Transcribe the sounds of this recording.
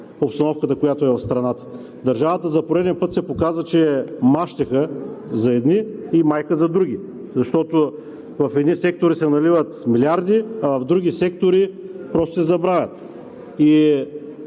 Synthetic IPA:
opst̪ɐnɔfkət̪əkojat̪ʊɛvɐfst̪ɾɐnat̪ə̥ | d̪ɐɾʒavət̪əzɐpoɾɛd̪ɛnpɤt̪sɛpokazət͡ʃɛmaʃt̪ɛxəzɐɛd̪niːmajkəzɐd̪ɾuɡ̟ʲi | zɐʃt̪ɔt̪o | vɐfɛd̪nisɛk̚t̪oɾisɛnɐlivət̪milʲaɾd̪iɐvɐvd̪ɾuɡʲisɛkt̪oɾipɾɔst̪o̥sɛzɐbɾavʲjət̪ | i

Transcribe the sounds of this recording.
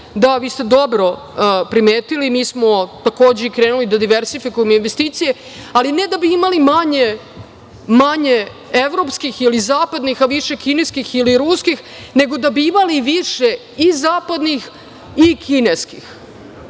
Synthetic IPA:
d̪aʋiːst̪ed̪o̞bɾo̞ | pɾimeːt̪ilimiːsmo̞t̪ako̞ːd͡ʑeikɾeːnulid̪ad̪iʋeɾsifikujemoinʋest̪iːt̪sije | alined̪abiimalimaɲe | maɲe | eʋɾo̞pskixilizaːpad̪nixaʋiʂekineskixiliɾuskix | ne̞ɡo̞d̪abiimaliʋiʂe | izaːpad̪nix | ikʰineskix

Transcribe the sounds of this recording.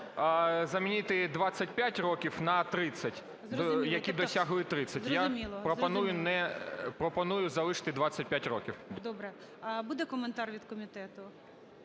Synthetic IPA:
zɐmʲinʲit̪ɪd̪ʋɑsʲɐt̚ʲpʲjatʲrɔkʲiwnɐt̪ɾɪt͡sʲːɐt̪ʲ | jɐkʲid̪ɔsʲaɦʊlˠɪt̪ɾɪt͡sʲːɐt̪ʲjamʲilˠpɾɔpɐnujʊnɛpɾɔpɔnujʊzɐlˠɪʃɐ̥t̪ɪd̪ʋɑt͡sʲːɐt̚ʲpʲjatʲrɔkʲiwd̪ɔbɾɛ | bud̪ɛkɔment̪ɑrʋʲid̪kɔmʲiɪt̪ɛt̪ʊ

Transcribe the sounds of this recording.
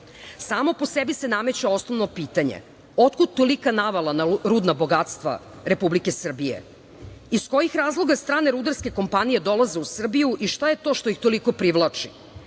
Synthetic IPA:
saːmo̞po̞sebisename̞t͡ɕao̞sno̞ʋno̞piːt̪aɲḛ | o̞t̪̚kud̪̚t̪olikanaʋalˠanaɾud̪nabo̞ɡat̪st̪ʋa̰ | ɾe̞publike̞sr̩bijḛ | isko̞jixɾaːzlˠo̞ɡast̪ɾaːneɾud̪aɾske̞ko̞mpanijed̪o̞lˠaze̞usr̩bijuʔiʃt̪aje̞t̪o̞ːʃt̪o̞ixt̪o̞liko̞pɾiʋlˠaːt͡ʂi

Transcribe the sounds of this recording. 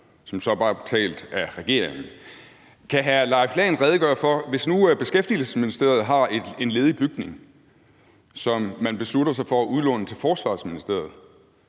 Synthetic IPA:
sɒ̽msɒ̽b̥ɑ̥̈ːt͡sʰɛ̰ːld̥æʁɛɡ̥e̝ɐ̰eŋn̩ | kʰæɦælɑ̈ɪflɛ̰ːnʁɛð̞ˠəɡ̥ɶːɐfɒ̽ʋe̝snub̥e̝sɡ̥efd̥iəl̩səsminisd̥e̝ɐð̞̩ˠɦɑ̈ee̝nle̝ːð̞ˠb̥yɡ̥̚ne̝ŋ | sɒ̽mːænb̥e̝sluɾɐsɑ̈ɪfɒ̽æʔuð̞ˠlɔ̽nət͡sʰe̝lfɒːsʋɑ̈ːsminisd̥e̝ɐ̰ð̞̩ˠ

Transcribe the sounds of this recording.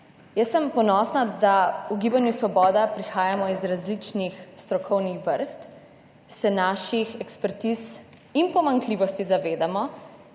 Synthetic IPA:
jəsːəmpɔnɔːsnad̪auɡiːbanjusʋɔbɔːd̪apɾixaːjamɔizɾazlit͡ʃnixst̪ɾɔkʰɔwnixʋəɾst̪ | sɛnaːʃixɛkspɛɾt̪is | inpɔmaŋkliːʋɔst̪izaʋeːd̪amɔ

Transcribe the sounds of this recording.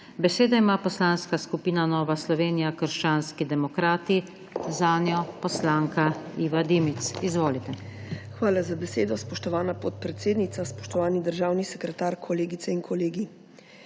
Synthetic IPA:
bɛseːd̪aimaːpɔslaːnskaskupiːnanɔːʋaslɔʋeːnijakəɾʃt͡ʃaːnskid̪ɛmɔkɾaːt̪i | zaːnjɔpɔslaːŋkaiːʋad̪imit̪sizʋoːlit̪ɛxʋaːlazabɛseːd̪ɔspɔʃt̪ɔʋaːnapot̪̚pɾɛt̪seːd̪nit̪saspɔʃt̪ɔʋaːnid̪əɾʒaːwnisɛkɾɛt̪aːɾkʰɔleːɡit̪sɛiŋkʰɔleːɡi

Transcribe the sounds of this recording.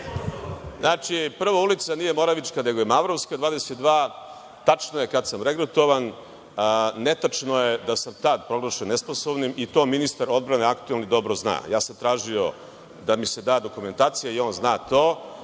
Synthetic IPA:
znaːt͡ʂipr̩ʋaulit̪saniːjemo̞ɾaʋit͡ʃkane̞ɡojemaʋɾoʋskad̪ʋaːd̪eset̪d̪ʋaː | t̪at͡ʂnoje̞kad̪samɾeɡɾut̪o̞ʋan | et̪at͡ʂnoje̞d̪asamt̪ad̪pɾo̞ɡlˠaʃenesposoʋnimit̪o̞ːminist̪aɾo̞d̪bɾane̞akt̪uelnid̪o̞bɾozna̰ːjaːsamt̪ɾaːʒio̞ | d̪amised̪aːd̪o̞kume̞nt̪aːt̪sijaio̞ːnznaːt̪oː

